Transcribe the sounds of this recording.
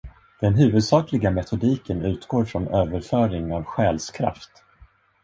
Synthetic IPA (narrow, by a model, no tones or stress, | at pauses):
d̪̥ɛnɦʉ̟ːvɵd̪sɑːklɪɡamɛt̪ʰʊd̪iːkənʉ̟ːt̪ɡoːɾfɾɔnøːvəɾfœːɾɪŋavɧɛːlskʰɾa̰ft̪